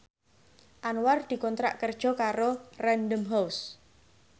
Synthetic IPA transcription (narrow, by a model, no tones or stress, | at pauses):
ʔanward̪̥i̤kɔnt̪ɾa̰ʔkərd̥ʒ̥ɔ̤kaɾorɛnd̪əmɦaws